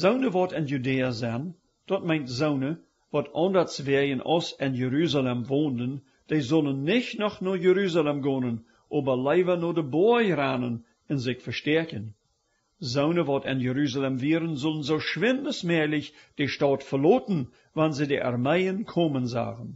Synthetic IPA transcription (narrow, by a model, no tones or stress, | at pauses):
z̥oʊnəvɔːtɪnjudeːɐzɛn | d̥ɔt̚mẽɪntzoʊnə | vɔːtʰɑndɐt͡svɛjənʔɔ̰sɪnjəɾyːzalɛmvoːndən | d̥eɪzʊlənːɪçnɔxnɔjəɾyːzalɛmɡoːnən | ʔoːbɐleɪvɐnoːdəbojɾaːnən | ɛnzɪçfɐʃtɛɐkən | zoʊnəvɔːtɪ̰njəɾyːzalɛmviːəɾənzʊlˠənzoʊʃʋɪndəsmɛlɪçd̥eʃtɑːtfəloːtn̩ | vanzedeʔa̰rmeɪənkʰoːmənza̰ːɣən